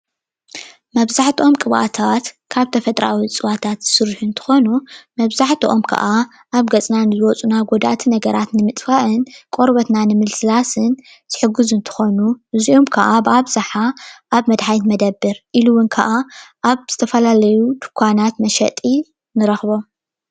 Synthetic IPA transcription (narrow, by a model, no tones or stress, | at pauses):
mɐβzaħt̪ʰiʔo̞mkʼɨβa̰t̪ʰat̪kʰaβt̪ʰɐfɐt̪ʼɾa̰wit͡sʼɨβat̪ʰat̪z̥ɨsɨɾħunt̪ʰɨ̥xo̞numɐβzaħt̪ʰiʔo̞mkʰɐ̰ʔa | ʔaβɡɐt͡sʼnanɨzɨwɔt͡sʼunaɡod̪a̰t̪ʰinɐɡɐɾat̪nɨmɨt̪ʼfaʔɨnkʼoɾβɐt̪nanɨmɨlsɨlasɨn | z̥ɨħɨɡɨzɨnt̪ʰɨ̥xo̞nuɨziʔomkʰɐʔabaβzaħaʔaβmɐd̪ħajt̪mɐd̪ɐbːɨɾʔiluwʊnkʰɐʔaʔaβz̥ɨt̪ʰɐfɐlalɐjud̪ɨkʷʰːanat̪mɐʃɐ̰t̪ʼi | nɨɾɐxβo̞m